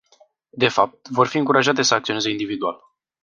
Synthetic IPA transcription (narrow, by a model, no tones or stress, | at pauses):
d̪e̞fap̚t̪vo̞rfiɨŋkuɾaʒat̪e̞səakt̪sio̞nezeind̪ivid̪ua̰l